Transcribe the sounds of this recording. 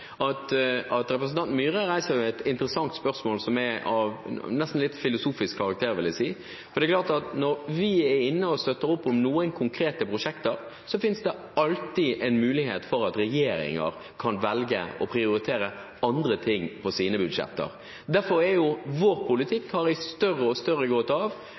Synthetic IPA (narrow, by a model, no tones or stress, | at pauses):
ɑt̪ɑt̪ɾɛpɾəsn̩t̪ɑnt̪myːɾəɾæɪsəɾʋɛɛt̪ɪnt̪əɾəsɑŋt̪spœɾsmoːlsɔmɛɑʋnɛst̪n̩lɪt̪ːfɪlʊsuːfɪskʰːɑɾɑk̚t̪ʰeːɾʋɪljæɪsiː | fɔɾd̪ɛklɑːʁt̪ɑt̪nɔɾʋɪɛɾɪnːəɔst̪œt̪ːəɾʊpːɔmnuːənkʰʊŋkʰɾeːt̪əpʰɾʊʂɛkt̪əɾ | sɔfɪnsd̪ɛ | ɑlt̪iʔɛɪnmʉːlɪheːt̪fɔɾɑt̪ɾɛjeːɾɪ̰ŋə̰ɾ | kʰɑnʋɛlɡə̰ɔpʰɾɪʊɾɪt̪ʰeːɾə | ɑnd̪ɾət̪ʰɪŋːpʰɔsiːnəbʉd̪ʂɛ̰t̪ːə̰ɾ | d̪æɾfɔɾɛɾjʊʋɔɾpʰʊlɪt̪ʰɪkːhɑɾɪst̪œrːəɔst̪œɾəɡoːt̪ɑʋ